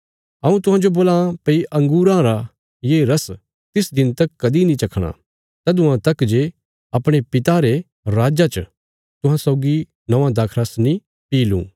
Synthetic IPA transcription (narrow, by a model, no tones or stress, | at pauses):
ɐũt̪ʊɦãd͡ʒoboːlãpɐiʔɐ̃ŋɡuːɾãɾa | jeɾɐs | t̪ɪsd̪ɪnt̪ɐkːɐd̪inĩt͡ʃɐkʰɽ̃a̰ | t̪ɐd̪ʊãt̪ɐkd͡ʒe | ɐpɽ̃epɪt̪aɾe | ɾaːd͡ʒat͡ʃ | t̪ʊɦãsɔːɡi | nɐʋãd̪ɐkʰɾɐsnĩ | piːlṵ̃ː